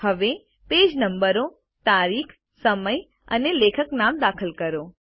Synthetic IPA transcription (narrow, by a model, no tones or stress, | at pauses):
ɦəʋe | ped͡ʒnəmbəɾo | t̪aɾikʰ | səməj | ə̰nelekʰəknamd̪akʰəlkəɾo